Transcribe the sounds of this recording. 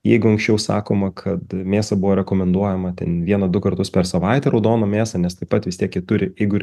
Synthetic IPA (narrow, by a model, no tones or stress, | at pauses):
jɛɪɡʊɐŋksʲt͡ʃʲɛʊsɑ̰ːkoːmɐkʰɐt̪mʲeːsɐbʊʋoːɾʲɛkoːmʲɛnd̪uɔjɛmɐt̪ʲɛ̰nʋʲiɛnɐd̪ʊkɐrt̪ʊspʲɛɾsɐʋɐɪt̪ʲɛɾɐʊd̪oːnoːmʲeːsɐnʲɛst̪ɐɪpɐt̪ʋʲɪst̪ʲiɛkjɪt̪ʊɾʲɪjɛɪɡʊɾʲ